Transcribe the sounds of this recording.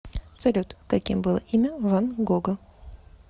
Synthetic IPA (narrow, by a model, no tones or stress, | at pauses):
sɐlʲut̪kɐkʲimbɨlˠəʔimʲəvanɡoɡə